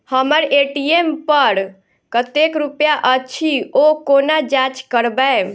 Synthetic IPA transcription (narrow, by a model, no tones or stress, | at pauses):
həməɾeʈiempəɾ | kət̪ekɾupjaʔət͡ʃʰiokonad͡ʒat͡ʃkəɾbəe